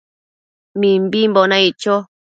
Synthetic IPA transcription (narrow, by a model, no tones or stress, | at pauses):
mĩmbimbonãit͡ʃo